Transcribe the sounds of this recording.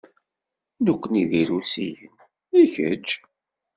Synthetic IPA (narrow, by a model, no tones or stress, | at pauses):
nukʷːəniðiɾusḭjən | içə̰d͡ʒ